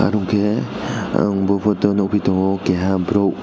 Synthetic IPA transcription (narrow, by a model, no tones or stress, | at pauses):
a̰ɾuŋkea̰ŋbopʰot̪onoʔupit̪oɦokeɦabɾowʔ